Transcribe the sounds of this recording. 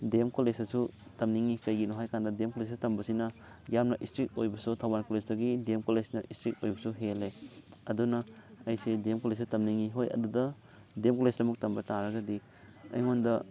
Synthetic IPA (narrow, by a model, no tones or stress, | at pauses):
demkolesɐsutɐmniŋikɐjɡinoɦajkandɐdemkolestɐmbɐsinɐ | jamnɐʔistɾik̚ojbɐsutʰawbankolesdɐɡidemkolesnɐʔistɾik̚ojbɐsuɦeleɐdunɐɐjsedemkoles̬sutɐmniŋiɦojɐ̰dudɐ | demkolesdɐmɐk̚tɐmbɐtaɾɐɡɐdi | ɐ̰jŋondɐ